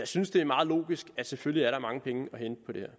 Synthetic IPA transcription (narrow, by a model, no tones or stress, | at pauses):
jɑ̈ɪsynsd̥e̝æmɑ̈ːð̞̩ˠlo̝̰ːɡ̥isɡ̥æsefølliæɐɾɑ̈mɑ̈ŋəpʰeŋəɒ̽hend̥̚pʰɒ̽de̝hḛɐ̰